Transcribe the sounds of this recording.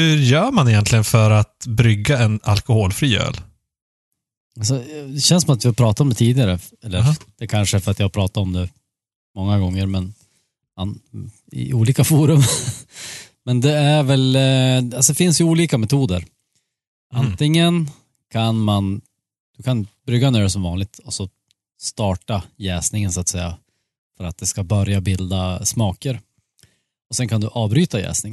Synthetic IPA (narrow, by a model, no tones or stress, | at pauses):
hɵɾjœːɾmanɪjɛnt̪lɪɡənfœɾat̪bɾʏɡːaɛna̰lkʊhoːlfɾiːø̰ːl | als̬ɔd̪ɛɕɛnsɔmat̪vɪhapʰɾɑːt̪at̪ɔmd̪ɛt̪ʰiːd̪ɪɡaɾəɛlːə̰d̪̥ɛkʰanʂəfœɾat̪jahapʰɾɑːt̪at̪ɔmd̪ɛ | mɔŋːaɡɔŋːəɾmɛn | an | ɪ̰uːliːkafuːɾɵm | mɛnd̪ɛæɾvɛlasɔd̪ɛfɪnsjɵuːliːkamɛt̪ʰuːd̪əɾ | ʔa̰nt̪ɪŋːən | kʰanman | d̪̥ɵkʰanbɾʏɡːaneːɖɛsɔmvɑːnlɪɡ̚t̪ʰɔsɔ | st̪ɑːʈajɛːsnɪŋənsʊat̪sɛjːa | fœɾat̪̚d̪ɛskabœɾjabɪld̪asmɑːkəɾ | ɔsɛnkʰand̪ɵʔɑːvbɾyːt̪ajɛ̰ːsnɪŋ